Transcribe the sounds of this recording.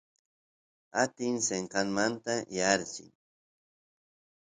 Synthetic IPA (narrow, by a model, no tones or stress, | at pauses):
at̪ɪŋseɴqɑnmant̪ajaɾsɪ̰ŋ